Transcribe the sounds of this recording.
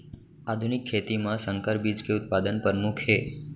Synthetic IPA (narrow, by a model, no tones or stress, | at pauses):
ad̪ʱunɪkʰːet̪imãsəŋkəɾbid͡ʒkeʊt̪̚pad̪ənpəɾmukʰɦe